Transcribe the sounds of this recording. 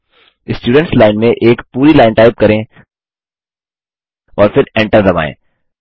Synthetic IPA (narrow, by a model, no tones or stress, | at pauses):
ɪsʈjuːɖə̃ɳʈslaːɪnmẽʔeːkpuːɾilaːɪnʈaːɪp̚kɐɾẽ | ɔːɾfʰɪɾɛ̃ɳʈəɾd̪ɐba̰ːḛ̃ː